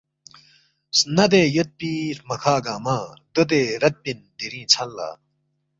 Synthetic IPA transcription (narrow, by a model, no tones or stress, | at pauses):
snɐd̪eːjɐt̪̚piːɾmɐkʰaːɡaːmaːd̪əd̪eːɾɐt̪̚bind̪iɾĩːt͡sʰɐlːa̰ː